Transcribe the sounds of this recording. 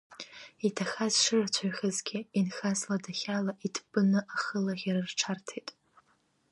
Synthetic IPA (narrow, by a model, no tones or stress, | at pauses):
itʰaxazʂɨrat͡ɕʷʰaɥχʲɨzɡʲɪinxazladaχʲalaʔitʰb̥ɨnɨʔaχəlaʁʲaɾɨrʈ͡ʂʰartʰejtʼ